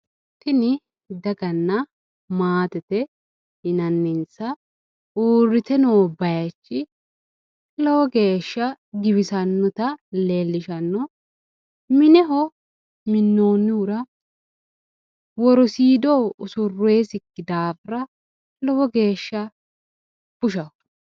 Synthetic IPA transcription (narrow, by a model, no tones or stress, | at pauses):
t̪ɪnɪ | d̪ɐɡɐnːɐ | maːt̪ɛt̪ɛ | hɪnɐnːɪnsɐ | oːrːɪt̪ɛnoːbɐjɐt͡ʃːɪ | lɔwɔɡe̞ːʃːɐ | ɡɪβɪsɐnːɔt̪ɐleːlːɪʃɐnːɔ | mɪnɛɦɔ | mɪnːoːnːɪʊɾɐ | wɔɾɔsiːd̪oːʊsʊrːeːsɪkːɪd̪aːfɾɐ | lɔwɔɡe̞ːʃːɐ | b̥ʊʃɐ